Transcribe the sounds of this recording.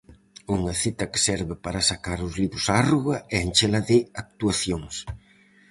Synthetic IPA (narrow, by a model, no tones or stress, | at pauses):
uŋɐθit̪ɐke̥sɛɾβɪpaɾɐsakaɾʊzliβɾʊsaaruɣɐɛent͡ʃelaðɪak̚t̪uaθjoŋs